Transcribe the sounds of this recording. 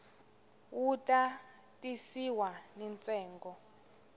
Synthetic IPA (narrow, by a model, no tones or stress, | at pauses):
wutʼa | tʼisiwanɛnt͡sʼɛːŋɡɔ